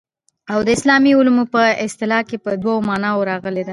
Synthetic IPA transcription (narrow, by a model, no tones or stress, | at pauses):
awd̪əɪslɑmiʊlmupəɪst̪ɪlɑkepəd̪wawomɑnɑoɾɑɣəled̪a